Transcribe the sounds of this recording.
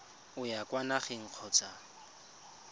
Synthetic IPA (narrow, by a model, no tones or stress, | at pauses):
ʊjakʼwanaχeŋ̩q͡χʰɔt͡sʼa